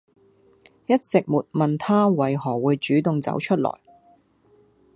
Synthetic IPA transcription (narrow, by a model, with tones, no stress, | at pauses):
jɐ˥t̚t͡sɪ˨k̚muː˨t̚mɐ˨nt̪ʰaː˥wɐ˨˧jɦɔː˨˩wuː˨˧jt͡ʃyː˨˥t̪ʊ˨ŋt͡sɐ̰˨˥wt͡ʃʰɵ˥t̚lɔ̰ː˨˩j